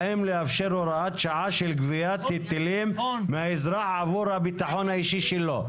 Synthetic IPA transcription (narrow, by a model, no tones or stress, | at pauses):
imleafʃeɾoɾaat̪ʃaʕaʃelɡvijat̪ːit̪ːelimːehaizɾaħʕavuɾhabit̪aħonhaiʃiʃelːo